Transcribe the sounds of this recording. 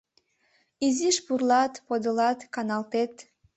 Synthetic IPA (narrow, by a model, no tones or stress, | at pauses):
iziʃbuɾlˠɑt̪pod̪ɯlˠɑt̪kanɑlˠt̪et̪